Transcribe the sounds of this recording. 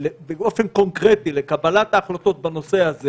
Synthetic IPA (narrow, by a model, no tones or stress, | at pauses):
lebeo̞fe̞nko̞nkʁet̪ile̞kabalat̪aːχlat̪o̞t̪̚bano̞sehaze